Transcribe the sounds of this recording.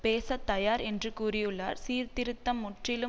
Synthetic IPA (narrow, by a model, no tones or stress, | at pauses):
peːsɐt̪ːɐjaːɾɛndrɯkuːrɪjɯɭːa̰ːɾsiːɾt̪ɪɾɯt̪ːɐmːʊʈrɪlɯ